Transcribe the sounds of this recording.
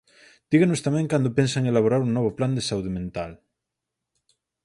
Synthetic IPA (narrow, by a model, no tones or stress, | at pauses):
d̪̥iɣenost̪amɛ̃ŋkand̪opensaŋelaβoɾaɾuŋnɔβ̞opland̪esauðemẽnt̪al